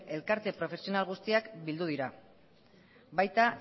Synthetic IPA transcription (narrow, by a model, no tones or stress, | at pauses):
e̞lkaɾt̪e̞pɾo̞fe̞sio̞nalɣust̪iakbild̪uð̞iɾa | bajt̪a